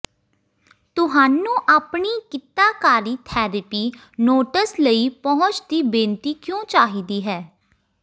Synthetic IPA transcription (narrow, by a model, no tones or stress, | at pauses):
t̪ʊɦaːnũːʔaːpɳiːkɪt̪aːkaːɾiːt̪ʰɛːɾəpiː | noːʈəsləiːpɔɦʊ̃t͡ʃd̪iːbẽːnt̪iːkjõːt͡ʃaːɦiːd̪iːɦɛː